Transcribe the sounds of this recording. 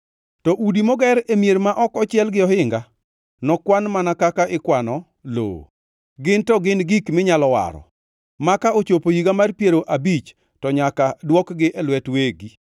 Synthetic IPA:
tɔʔudimɔɡɛɾemjeɾmaʔɔkɔt͡ʃɪɛlɡɪɔhɪŋɡa | nɔkwanmanakakaʔɪkwanɔ | lo̰ː | ɡɪntɔɡɪnɡikmɪɲalɔwa̰ɾɔ̰ | makaot͡ʃopojiɡamarpjeɾoʔabit͡ʃ | tɔɲakadwɔkɡɪʔɛlwɛtweɡi

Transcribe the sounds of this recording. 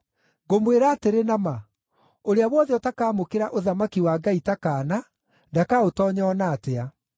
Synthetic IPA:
ɡomweɾaːteɾenama | oɾeaβwɔðeɔtakaːmokeɾaʔoðamakiwaːɡaitakaːna | ndakaotɔːɲɔɔnaːtea

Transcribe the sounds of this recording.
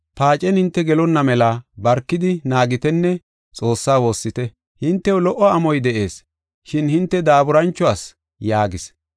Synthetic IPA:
paːt͡ʃʼɛnhɪnt̪ːɛɡɛlɔnːɐmɛlabɐɾkːɪd̪ɪnaːɡɪt̪ɛnːɛ | t͡sʼo̞ːsːaːwo̞ːsːɪt̪ɛ | hɪnt̪ːɛwʊlɔʔɔɐmɔjd̪ɛʔe̞ːs | ʃɪnhɪnt̪ːɛd̪aːbʊɾɐnt͡ʃːɔaːs | jaːɡɪs

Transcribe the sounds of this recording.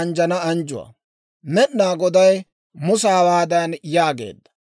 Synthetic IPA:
ɐnd͡ʒɐnɐɐnd͡ʒʊwɐ̰ | mɛnnaːɡɔd̪ɐj | mʊsaːwaːd̪ɐnjaːɡḛːd̪ːɐ̥

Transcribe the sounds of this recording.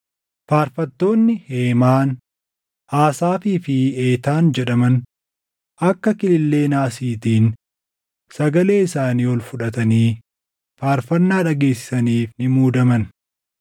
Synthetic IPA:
faːɾfɐt̪ːo̞ːnːɪheːmaːn | ʔaːsaːfiːfɪeːt̪aːnd͡ʒɛᶑɐmɐn | ɐkːɐkɪlɪlːe̞ːnaːsiːt̪iːn | sɐɡɐle̞ːɪsaːniːwɔlfʊᶑɐt̪ɐniː | faːɾfɐnːaːᶑɐɡeːsɪ̥sɐniːfnɪmuːd̪ɐmɐn

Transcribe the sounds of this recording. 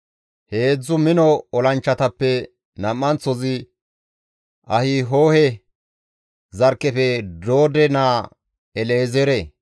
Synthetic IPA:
he̞ːd͡zːʊmɪnɔɔlɐnt͡ʃːɐt̪ɐpːɛ | nɐmːɐnt͡sɔzɪ | ʔɐhɪɦo̞ːhɛ | zɐɾkːɛfɛd̪o̞ːd̪ɛnaː | ɛleːzɛɾɛ

